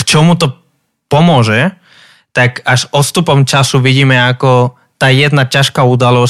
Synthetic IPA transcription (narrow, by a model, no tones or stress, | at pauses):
kt͡ʃɔmut̪ɔ | pɔmʊɔʒɛ | t̪akaʒɔst̪upɔmt͡ʃasuʋiɟiːmɛakɔ | t̪aːjɛd̪nacaʃkaud̪alɔ